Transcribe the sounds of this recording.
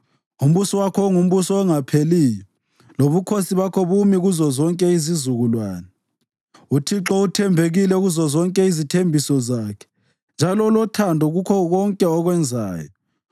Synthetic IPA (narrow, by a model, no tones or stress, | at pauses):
um̩βusɔwakʰɔŋum̩βusɔɛŋapʰelijɔ | loβukʰosiβakʰɔβumiɣuzɔzɔŋkʼɛizizuɣulwa̰ːnɛ | utʰiǁɔutʰɛmbʱeɣilɛuɣuzɔzɔŋkʼɛizitʰembʱisɔzaːkʰɛ̥ | nd͡ʒʱalɔlɔtʰandʱɔɣukʰɔɣɔŋkʼɛɔɣwɛnd͡zʱa̰ːjɔ